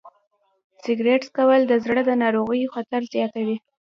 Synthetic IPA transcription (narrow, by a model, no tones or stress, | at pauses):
sɪɡɾeʈskawəld̪əzɽəd̪ənɑɾoɣəjoxat̪aɾzjɑt̪awi